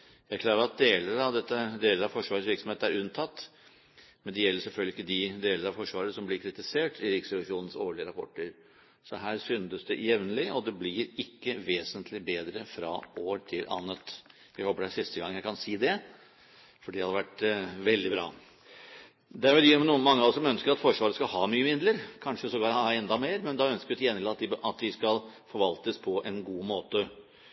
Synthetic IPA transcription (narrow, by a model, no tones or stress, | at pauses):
jæɪkʰlɑːɾəɾɑt̪̚d̪eːləɾɑʋd̪ɛt̪ːəd̪eːləɾɑʋfɔʂʋɑːɾəsʋɪɾksɔmheːt̪əæɾʉnt̪ʰɑt̪ː | mɛnd̪ɛjɛlːəʂɛlfœlɡ̪ɪkːəd̪ɪd̪eːləɾəɑʋfɔʂʋɑːɾəsɔmblɪɾkʰɾɪt̪ɪseːʈɪɾɪksəlɪʂuːnən̩soːɭɪəɾɑpʰɔ̰ʈːəɾ | sɔɦæːɾsʏnd̪əsd̪ɛʔjɛʋnəlɪʔɔd̪ɛblɪɾɪkːəʋeːsənt̪ʰlɪbeːd̪ɾəfɾɑ̰ʔoːɾʈ̪ʰɪlʔɑ̰nːət̪ | jæɪhoːpːəɖæsɪst̪əɡɑŋːəjæɪkʰɑnsiːd̪ɛ | fɔɖihɑd̪əʋæʈːʋɛld̪ɪbɾɑ̰ː | d̪ɛæɾbət̪yːmɛnuːənmɑŋːəɔsɔmœnskəɾɑt̪fɔʂʋɑːɾəskɑhɑːmyːəmɪnləɾkʰɑnʂəsɔɡɑɑɛnd̪ɑmeːɾmɛnd̪ɑœnskəɾt̪ɪjɛnːɪlɑːt̪d̪ɪɑt̪̚d̪ɪskɑlfɔɾʋɑlt̪əspʰɔʔɛnɡuːmoːt̪ə